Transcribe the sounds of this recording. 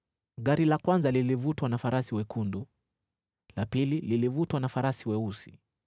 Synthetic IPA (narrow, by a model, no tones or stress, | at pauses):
ɠaɾilakwanzalilivutwanafaɾʔasiwɛkʰundu | lapilililivutwanafaɾasiwɛusi̥